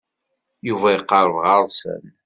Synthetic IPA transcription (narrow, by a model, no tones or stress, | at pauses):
juvæjəqːɑɾˤəvʁɑɾˤsə̰n